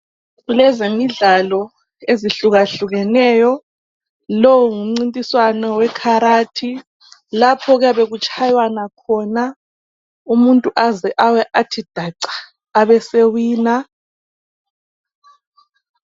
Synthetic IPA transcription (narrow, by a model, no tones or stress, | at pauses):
ɣulɛzemiɮalɔ | eziɬuɣaɬuɣɛnɛjɔ | lɔwuŋum̩ŋ͡ǀintʼiswanɔwɛkʰaɾatʰi | lapʰɔɣaβeɣut͡ʃʰʼajwanakʰɔna | umuntʼuʔazɛʔawɛʔatʰid̥ʱaǀḁː | βɛsewiːna